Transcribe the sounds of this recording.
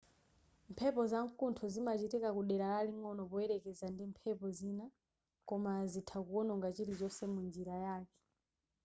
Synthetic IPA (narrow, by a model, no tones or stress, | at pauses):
mpʰɛpɔzaŋkuntʰɔzimat͡ʃitɛkakuɗɛɾalaliŋɔnɔpɔɛɾɛkɛzandimpʰɛpɔzina | kɔmazitʰakuɔnɔŋɡat͡ʃiɾit͡ʃɔsɛmund͡ʒiɾajaːkɛ̥